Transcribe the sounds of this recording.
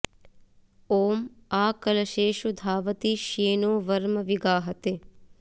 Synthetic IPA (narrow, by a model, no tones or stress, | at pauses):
oːmaːkɐlɐʃeːʃud̪ʱaːʋɐt̪iʃeːnoːʋɐɾmɐʋiɡaːɦɐt̪e